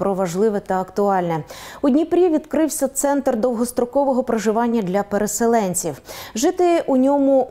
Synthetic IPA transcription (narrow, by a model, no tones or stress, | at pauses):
pɾɔʋɐʒlˠɪʋɛt̪ɐɐkt̪ʊɑlʲnɛud̪ʲnʲipɾʲiʋʲid̪kɾɪwsʲɐt̪sɛnt̪rd̪ɔwɦɔst̪ɾɔkɔʋɔɦɔpɾeʒɪʋɑnʲːɐd̪lʲɐpeɾeselˠɛnʲt͡sʲiwʒɪt̪ɪʔunʲɔmʊ